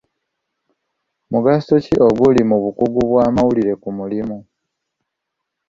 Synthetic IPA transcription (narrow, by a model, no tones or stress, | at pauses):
muɡastociʔo̞ɡulimuβukuɡuβwaːmawuliɾe̞kumulimu